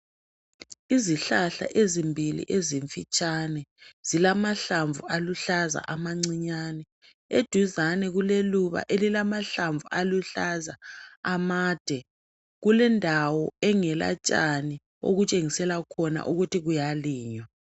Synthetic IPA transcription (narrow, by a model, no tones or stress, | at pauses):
iziɬaɬa̰ʔezimbʱilḭʔeziɱfit͡ʃʼanɛz̥ilamaɬaɱvualuɬaza̰ʔamaŋ͡ǀiɲaːnɛ | ed̥ʱuzanɛɣuleluβa̰ʔelilamaɬaɱvualuɬazaːmaːd̥ʱɛ | ɣulɛndʱawɔɛŋɛla̰t͡ʃʼani | o̰ɣut͡ʃʼeŋisɛlakʰɔna̰ʔuɣutʰiɣujaliːɲwa